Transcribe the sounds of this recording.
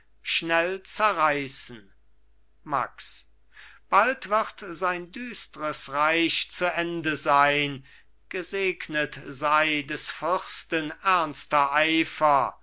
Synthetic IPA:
ʃnɛlt͡sɛɐʁaɪsn̩ | ma̰ks | b̥altv̥ɪʁtzaɪndyːstəʁəsʁaɪʃt͡suʔɛndəzaɪn | ɡ̥əzeːknətzaɪdɛsfʏʁstənɛɐnstɐʔaɪfɐ

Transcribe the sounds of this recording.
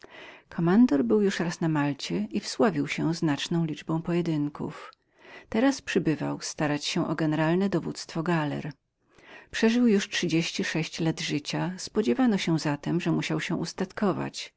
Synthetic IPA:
kʰɔmand̪ɔɾbɘwjuʂɾasnamalt͡ɕɛʔifswavʲiwɕɛznat͡ʂnɔ̃w̃lʲid͡ʐbɔ̃w̃pɔjɛd̪ɘŋkʰṵf | t̪ɛɾaspʂɘbɘva̰wst̪aɾat͡ɕɕɛ̃ʔɔɡɛnɛɾalnɛd̪ɔvut̪st̪fɔɡalɛ̰ɾ | pʂɛʐɘwjuʂtʂɘd͡ʑeɕt͡ɕiʂɛɕt͡ɕlad̪ʐɘt͡ɕaspɔd͡ʑɛvanɔɕɛzat̪ɛmʐɛmuɕawɕɛʔust̪at̪kɔva̰t͡ɕ

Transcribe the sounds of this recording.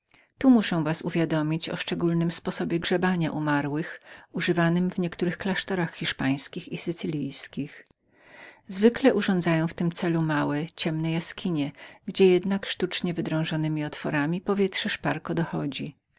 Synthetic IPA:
t̪umuʂɛ̃w̃vasuvʲjad̪ɔmʲit͡ɕɔ̰ʂt͡ʂɛɡulnɘmspɔsɔbʲjɛɡʐɛbaɲaʔumaɾwɘxuʐɘvanɘmvɲɛkt̪uɾɘxklaʂt̪ɔɾaxxːʲiʂpaj̃skʲixisɘt̪sɘlʲijskʲix | zvɘklɛʔuʐɔ̃nd̪zajɔ̃w̃ft̪ɘmt̪sɛlumawɛt͡ɕɛmnɛjaskʲʰiɲɛɡd͡ʑɛjɛd̪nakʂt̪ut͡ʂɲɛvɘd̪ɾɔ̃w̃ʐɔnɘmʲiɔt̪fɔ̰ɾamʲipɔvʲjɛt̪ʂɛʂpaɾkɔd̪ɔxɔd͡ʑi

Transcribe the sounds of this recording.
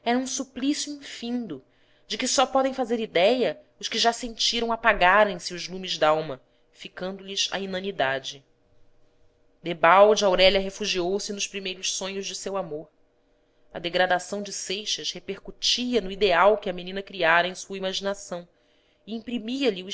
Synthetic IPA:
ɛɾɐũsuplisijuĩfĩnd̪ʊ | d͡ʒɪkɪsɔpɔd̪ẽj̃fazeɾid̪ɛjɐ | ʊʃkɪʒasẽnt͡ʃiɾɐ̃w̃apaɡaɾẽj̃sɪʊʒlũmɪʒd̪aawmɐ | fikɐ̃nd̪ʊlɪzɐ̰inɐ̃nid̪ad͡ʒɪ | d̪ebawd͡ʒɪawɾɛʎɐɦefuʒiowsɪnʊʃpɾimejɾʊʃsõɲʊʒd͡ʒɪsewamoɾ | ɐ̰d̪eɡɾad̪asɐ̃w̃d͡ʒɪsejʃɐʃhepehkut͡ʃiɐnʊid̪eawkɪɐmenĩnɐkɾiaɾɐẽj̃suɐimaʒinasɐ̃w̃ | ɪĩpɾimiɐʎiu

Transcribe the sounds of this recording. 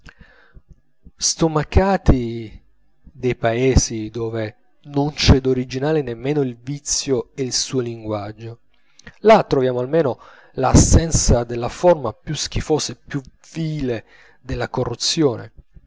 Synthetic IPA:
st̪omakaːt̪i | d̪ejpaeːzid̪oːve | nont͡ʃɛd̪oɾid͡ʒinaːlenemːeːnoilvit̪sːjoeilsuːoliŋɡwad͡ʒːo | lat̪ːɾovjaːmoalmeːno | lasːɛnt̪sad̪elːafɔrmapjusk̟ifoːsepju | viːle | d̪elːakorːut̪sːjoːnḛ

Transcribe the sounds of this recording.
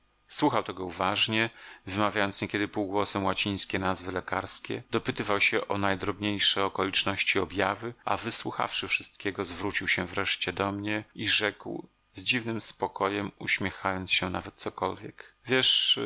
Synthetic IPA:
swuxawt̪ɛɡɔuvaʐɲɛvɘmavʲjajɔnt̪sɲɛkʲɛd̪ɘpuwɡwɔsɛmwat͡ɕij̃skʲɛnazvɘlɛkaɾskʲɛ̰d̪ɔpɘt̪ɘvawɕɛʔɔnajd̪ɾɔbɲejʂɛɔkɔlʲit͡ʂnɔɕt͡ɕiɔbʲjavɘa̰vɘswuxa̰fʂɘfʂɘst̪̚kʲɛɡɔzvɾut͡ɕiwɕɛvɾɛʂt͡ɕɛd̪ɔmɲɛiʐɛkw | zd͡ʑivnɘmspɔkɔjɛmṵɕmʲjɛxajɔnt̪sɕɛna̰vɛt̪̚sɔkɔlvʲjɛkvʲjɛʂ

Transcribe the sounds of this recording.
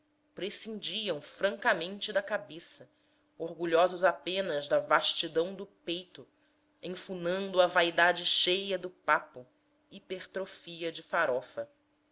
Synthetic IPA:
pɾesĩnd͡ʒiɐ̃w̃fɾɐ̃ŋkɐmẽnt͡ʃɪd̪ɐkabesɐ | oɾɡuʎɔzʊzapẽnɐzd̪ɐvaʃt͡ʃid̪ɐ̃w̃d̪ʊpejt̪ʊ | ẽfunɐ̃nd̪ʊɐvaid̪ad͡ʒɪʃejɐd̪ʊpapʊ | ipeɾt̪ɾofiɐd͡ʒɪfaɾɔfɐ

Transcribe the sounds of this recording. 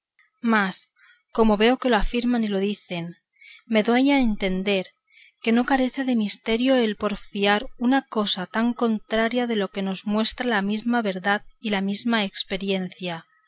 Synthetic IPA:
mas | ko̞mo̞βe̞o̞ke̞loafiɾmanilo̞ð̞iθe̞n | me̞ðoajaent̪e̞nd̪e̞ɾ | ke̞no̞kaɾe̞θeðe̞mist̪e̞ɾjo̞elpo̞ɾfiaɾunako̞sat̪aŋko̞nt̪ɾaɾjaðe̞lo̞ke̞no̞zmwe̞st̪ɾalamizmaβe̞ɾðaðilamizmaekspe̞ɾje̞n̟θja

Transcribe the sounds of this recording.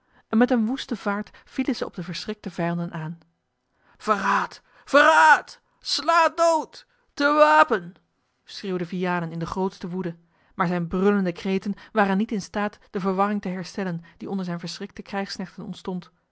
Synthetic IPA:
ʔɛnmɛtənʋustəvaːɹt | filəzəɔ̰b̚dəvəɹsrɪk̚təvɛjɑndənʔaːn | v̥əraːt | fəraːt | slaːt̚dowtː | əʋaːpən | sreːwdəvijaːnənɪndəχrowtstəʋudə | maːɹzɛjnbrɵləndəkrejtənʋaːrənːitɪnstaːtd̥əvəɹʋɑrɪŋtəɦɛɹstɛlənd̥iɔndəɹzɛjnvəɹsrɪk̚təkrɛjχsnɛχtənɔ̰ntstɔnt

